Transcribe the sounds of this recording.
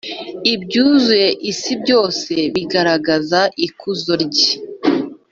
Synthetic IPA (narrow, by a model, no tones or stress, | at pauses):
ibɟuːzue̞ʔisibɟo̞ːse̞βiɡaɾaɡazaʔikuzoɾɟi